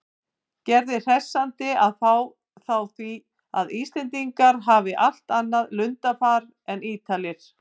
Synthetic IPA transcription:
cɛɾðɪr̥ɛsːant̪ɪaðθaw | θawθvi | a̰ðiːst̪ɛnt̪iŋkaɾɦaːvɪʔal̥t̪anːaðlʏnt̪afaːɾ | ɛniːt̪ʰalɪɾ̥

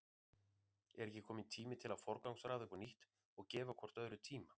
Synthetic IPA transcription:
ɛ̰ɾɛcːɪkʰɔːmɪnt̪ʰiːmɪt̪ʰɪlaðfɔɾkawŋsɾaːðʏpɔniht̪ | ɔɣcɛːvakʰɔr̥t̪œðɾʏt̪ʰiːma

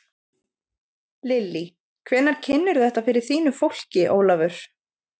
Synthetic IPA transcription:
lɪlːi | kʰvɛnaɾ̥cʰɪnːʏɾθɛht̪afɪɾɪɾ̥θiːnʏfowl̥cɪʔo̰ːwlavʏɾ̥

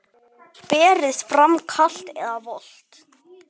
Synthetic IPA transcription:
pɛːɾɪst̪fɾamkʰal̥t̪ɛðavɔl̥t̪

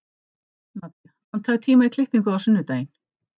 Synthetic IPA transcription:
nat̪ːɪ | hant̪ʰaːðt̪ʰiːmaikʰlɪht̪iŋkʏðawsʏnːʏt̪eːjɪn

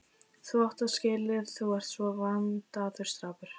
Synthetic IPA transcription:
θuawht̪aðscɪːlɪðθuwvaɾ̥t̪svɔɣant̪aːðʏɾ̥st̪ɾaːpʏɾ̥

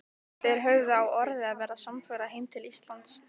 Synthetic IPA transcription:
θeɛɾɦœːɥðʏawɔɾðɪaðvɛːɾasamfœːɾaɦeːjmt̪ʰɪlist̪lant̪s

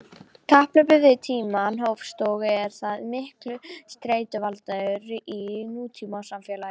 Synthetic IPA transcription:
kʰahplʏpʏðɪt̪ʰiːmaːnɦowfst̪ɔːɣɪɛɾ̥θaðmɪhklʏst̪ɾeːjt̪ʏvalt̪aʏɾɪʔinuːt̪ʰimawsamfjɛlajɪ

